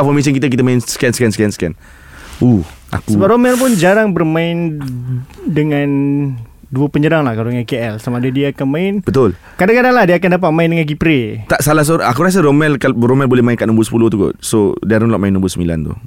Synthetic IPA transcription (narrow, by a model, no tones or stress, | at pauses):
fɔmes̬ənkit̪ək̬it̪əmaɪnsə̥kɛnsə̥kɛnsə̥kɛnsə̥kɛn | ua̰kusəbaromɛlp̬ʊnd͡ʒaɾaŋbərmãɪn | dəŋan | duəpəɲəɾaŋlahkalodəŋankeɛlsamadədiaːkanmãɪnbət̪ʊl | kadaŋkadaŋlahdiaakandap̬at̪̚mãɪndəŋank̬ipɾet̪aʔsalas̬oɾakuɾas̬əɾomɛlkaɾomɛlbolɛmaɪnkaʔnũmbʊsə̥puloht̪uɡɔ̰t̪sodiaɾnlɔʔmaɪnːəmbʊsəmila̰nt̪ṵ